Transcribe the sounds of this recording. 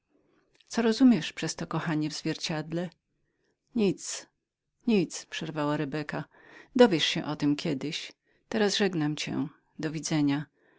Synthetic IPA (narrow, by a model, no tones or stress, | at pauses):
t̪sɔɾɔzumʲjɛʂpʂɛst̪ɔkɔxaɲɛvzvʲjɛɾt͡ɕad̪lɛ | ɲit̪s | ɲit̪spʂɛɾvawaɾɛbɛka | d̪ɔvʲjɛʂɕɛʔɔt̪ɘmkʲɛd̪ɘɕ | t̪ɛɾasʐɛɡnamt͡ɕɛ̰ | d̪ɔvʲid̪zɛɲa